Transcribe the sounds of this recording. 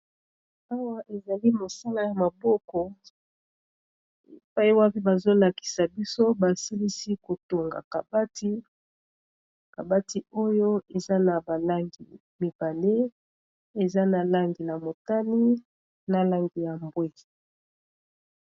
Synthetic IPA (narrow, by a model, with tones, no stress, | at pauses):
a˦wa˦ʔe˨za˨li˦mo˨sa˦la˦ja˨ma˨bɔ˦kɔ˦ | ḛ˨pa˦i˦wa˦pi˦ba˨zo˦la˨ki̥˨sa˨bi˦so˦ba˨si˦li˦si˦ko˨to˨ŋɡa̰˨ka̰˨ba˦ti˦ | ka˨ba˦ti˨o˦jo˦e˨za˦na˨ba˨la˦ŋɡi˨ | mi˨ba˨lde˦ | e˨za˦na˨la˦ŋɡi˨na˨mo˨ta˦ni˦ | na˨la˦ŋɡi˨ja˨mbwe˦